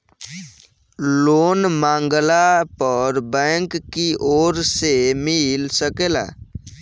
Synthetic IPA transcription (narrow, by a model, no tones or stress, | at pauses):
loːnmãːŋɡlapəɾbɛ̃ːŋkːiʔoːɾsemɪlsəkela̰ː